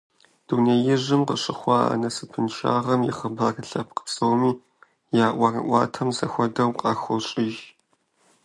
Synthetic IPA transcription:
d̥uneːjɪʑɪmqəɕʼɪχʷɑːa̰nɐsɨpʰɨnʃa̰ːʁɐmjɪ̰χəbaːrɨɬɐp̚qə̥psoːmiː | jaːʔʷɐrɐ̰ʔʷɑːtʰɐmzɐxʷɔdɐwqʼɑːxʷɔɕʼɪʒ

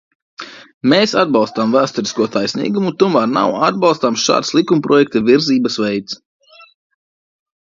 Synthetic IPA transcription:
meːsad̪̚bɑlˠst̪amvæːst̪uɾiskuɔt̪ʰajsʲnḭːɡumut̪umaɾna̰wad̪̚bɑlˠst̪amʃa̰ːd̪slˠikumpɾʔɔjɛk̚t̪aviɾziːbɐsʋɛjt̪s

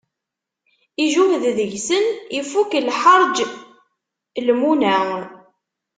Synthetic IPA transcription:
iʒuhððəʝsənifukəlħəɾˤd͡ʒ | lmunæn

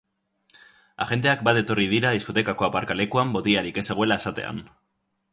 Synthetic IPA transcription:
a̰ɣe̞nd̪e̞ak̚bat̪e̞t̪o̞rið̞iɾaðisko̞t̪e̞kako̞apaɾkale̞kuambo̞t̪iaɾike̞se̞ɣ̞oelae̞sat̪e̞̰a̰n

